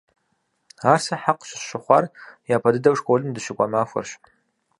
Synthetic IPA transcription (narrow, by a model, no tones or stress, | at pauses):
aːrsɐħaqɕɪʃɪχʷarjaːpʰɐdɨdɐwʂkʰʷʼolɨmdɨʃɪkʷʼamaːfʷɐ̰rɕ